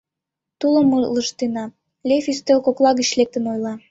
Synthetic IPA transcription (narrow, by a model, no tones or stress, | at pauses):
t̪uləmuləʃt̪enɑ | lʲefyst̪elkoklˠɑɣə̆t͡ɕlek̚t̪ə̆nojlɑ